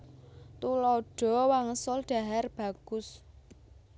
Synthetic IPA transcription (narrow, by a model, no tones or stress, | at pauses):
t̪ulɔɖ̥ɔ̤waŋəsɔlɖ̥a̤ɦarb̥a̤ɡ̥ʊ̤s